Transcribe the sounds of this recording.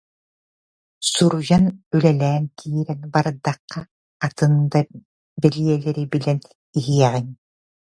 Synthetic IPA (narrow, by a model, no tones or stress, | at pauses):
suɾujanylɛlɛːnk̪ʰiːɾɛnbaɾd̪aqːaː | t̪ɯnd̪a | bɛliɛlɛɾibilɛn | iɦiɛʁin